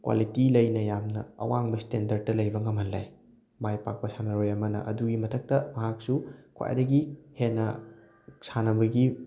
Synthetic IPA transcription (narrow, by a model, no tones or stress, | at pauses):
kwa̰litilɐjnɐjamnɐ̰ɐ̰waŋbɐstendɐɾd̚tːɐlɐjbɐŋɐmɦɐnla̰j | majpak̚pɐsanɐɾojɐmɐnɐ̰ʔɐduɡimɐtʰɐk̚tɐmɐɦak̚sukʰwa̰j̰dɐɡihenːɐ̰ | sanɐbɐɡi